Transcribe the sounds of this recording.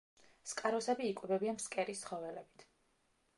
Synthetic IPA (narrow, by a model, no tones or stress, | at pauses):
skʼaɾɔsɛbiːkʼwɛvɛbianmskʼɛɾist̪ːχɔvɛlɛbit̪ʰ